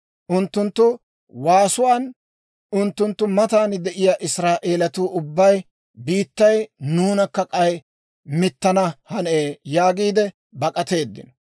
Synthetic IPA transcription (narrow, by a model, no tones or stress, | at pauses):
ʔʊnt̪ːʊnt̪ːʊ | waːsʊwaːn | ʊnt̪ːʊnt̪ːʊmɐt̪aːnd̪ɛʔɪjaːʔɪsɾaːʔe̞ːlɐt̪uːʊbːɐj | biːt̪ːɐjnuːnɐkːɐkʼɐj | mɪt̪ːɐnɐhɐneːjaːɡiːd̪ɛ | bɐkʼɐt̪e̞ːd̪ːɪ̰n